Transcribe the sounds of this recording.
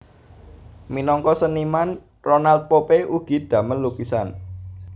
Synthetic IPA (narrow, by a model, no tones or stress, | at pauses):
minɔŋkɔsəniman | ronalt̪̚popeuɡ̥i̤d̪̥ä̤mənlukisan